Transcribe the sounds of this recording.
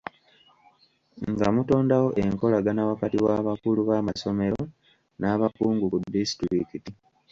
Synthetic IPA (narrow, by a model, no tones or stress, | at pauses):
ŋɡamuto̞ːndawo̞ʔe̞ŋko̞laɡanaβakatiwaːβakuluβaːmaso̞me̞ɾo̞ | naːβakuːŋɡukudːistɾikiti